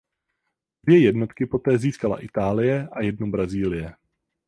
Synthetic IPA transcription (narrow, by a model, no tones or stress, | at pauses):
dvjɛjɛdno̞t̪kɪpo̞t̪ɛːziːskala̰ʔɪt̪aːlɪjɛʔajɛdnobɾaziːlɪjɛ